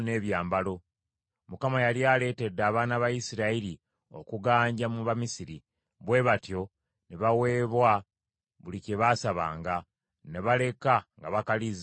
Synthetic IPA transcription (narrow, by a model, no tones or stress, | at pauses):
ne̞ːβjaːmbalo̞ | mukamajaljaːle̞ːte̞dːaːβaːnaβajisiɾaiɾi | o̞̰kuɡaːɲɟamuβamisiɾi | βwe̞ːβatjo̞ | neβawe̞ːβwa | βuliceβasaβa̰ːŋɡa | ne̞βale̞kaŋɡaβakaliz